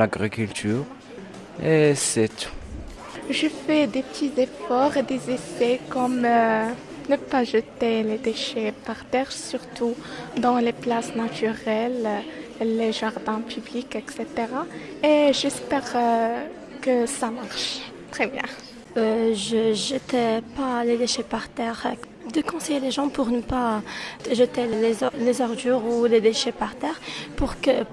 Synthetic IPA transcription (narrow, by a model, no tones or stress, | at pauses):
aɡʁikylt̪yːʁ | esɛt̪u̥ | ʒefɛd̪epət̪ʰizefɔʁed̪ezefɛkɔmø | nəpaʒət̪eled̪eʃɛpaʁt̪ɛʁsyʁt̪ud̪ɑ̃leplasnat̪yʁɛl | leʒaʁd̪ɛ̃pʰyblikɛkset̪eʁa | eʒɛspɛʁ | kəsamaʁʃ | t̪χɛbjɛ̰̃ | øʒəʒət̪ɛpaled̪eʃɛpaʁt̪ɛʁ | d̪əkɔ̃sɛjeleʒɑ̃puʁnəpa | ʒət̪ɛelezɔʁd̪yʁuled̪eʃɛpaʁt̪ɛːʁpuʁkə